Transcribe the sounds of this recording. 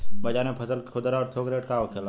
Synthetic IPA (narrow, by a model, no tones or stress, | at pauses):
bəd͡ʒanepʰəsəlʰʊd̪ɾaɔːɾt̪ʰoɡɾeʈkaokʰela